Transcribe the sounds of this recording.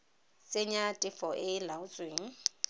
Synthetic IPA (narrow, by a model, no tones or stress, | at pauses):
sʼeɲatʼɪfɔʔɪlaʊt͡sʼweːŋ̩